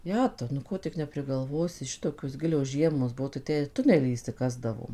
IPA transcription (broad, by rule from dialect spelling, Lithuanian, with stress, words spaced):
ˈjæːtɐʊ nʊ ˈkoː tʲɪk nʲɛpʲrʲɪˈɡɐlˠʋoːsʲɪ ˈʃʲɪtoːkʲoːs ˈɡʲɪlʲoːs ˈʒʲiɛmoːs ˈbuɔ tɐɪ ˈtʲæː ɪr ˈtʊnʲɛlʲiː ɪʃʲsʲɪˈkɑːzdɐʋoːm